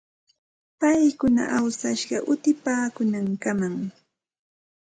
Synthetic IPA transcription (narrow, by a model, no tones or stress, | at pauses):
pajkʊna̰ʔawsaʃɢɑʔʊt̪ɪpaːkʊnaŋkamaŋ